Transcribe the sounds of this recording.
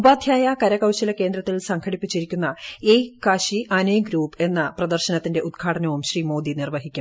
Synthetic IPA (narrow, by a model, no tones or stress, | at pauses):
ubaːd̪ʱjaːjɐkɐɾɐkɐwɕɐlɐke̞ːnd̪ɾɐt̪ːilsɐŋkʰɐɽipːit͡ɕːiɾikʲːunːɐeːkaːɕiʔɐneːɡɾuːpe̞nːɐprɐd̪ɐrɕɐnɐt̪ːinde̞ʔud̪ɡʰʱaːʈɐnɐʋumɕriːmo̞ːd̪inirʋɐɦikʲːɐ